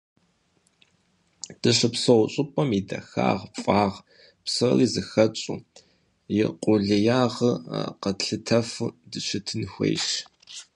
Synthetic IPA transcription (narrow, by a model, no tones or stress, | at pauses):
d̥ɨɕɨpsɐwɕʼɨpʼɐmidɐ̰xa̰ːʁfʼaːʁ | psɐrizɨxɐt͡ʃʼṵː | jɪqʷʼʊɮɨjaːʁə̰qɐɬɨtʰɐfɨdɨʃɪtʰɨnxʷḛːjʃ